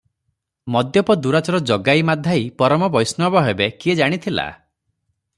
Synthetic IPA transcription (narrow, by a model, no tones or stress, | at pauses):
mɔd̪jɔpɔd̪uɾat͡ʃɔɾɔd͡ʒɔɡaimad̪ʱaipɔɾɔmɔbɔjsnɔbɔɦebekied͡ʒaɽ̃it̪ʰila̰